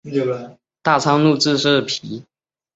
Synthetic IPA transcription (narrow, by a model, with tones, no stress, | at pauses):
t̪a˥˩t͡sʰɑ˥ŋlu˥˧t͡sɹ̩˥˧ʂɻ̩˥˩pʰi˧˥